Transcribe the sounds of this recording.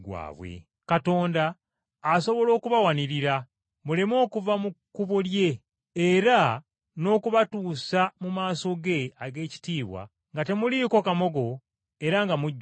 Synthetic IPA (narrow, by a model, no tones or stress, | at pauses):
ɡwa̰ːβwḛ | kato̞ːndaː | so̞βo̞lo̞ːkuβawaniɾiɾa | mulemo̞ːkuvamukuβolje̞ | eɾa | no̞ːkuβatuːsamumaːso̞ɡe̞aɡe̞ːci̥tiːβwa̰ | ŋɡate̞muliko̞kamo̞ɡo̞ | e̞ɾaŋɡamuɟː